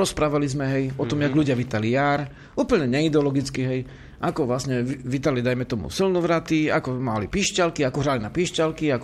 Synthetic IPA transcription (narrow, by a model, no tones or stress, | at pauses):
ɾɔspɾaːʋalizmɛɦɛjɔt̪ɔmjaɡʎuɟɪaʋiːt̪alijaːɾ | uːpəɲɛɲɛid̪ɛɔlɔɡit͡skiɦɛj | ʔakɔʋlasɲɛʋiːt̪̬alid̪ajmɛt̪ɔmṵsilnɔʋɾat̪iakɔmalipiʃcalkiakɔɦɾalinapiʃcalkiak